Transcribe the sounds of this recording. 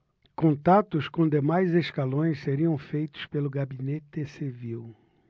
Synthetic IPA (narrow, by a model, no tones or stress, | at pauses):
kõnt̪at̪ʊskõd̪emajzeskalõj̃sseɾiɐ̃w̃fejt̪ʊ̥spelʊɡabinet̪ɪsiviw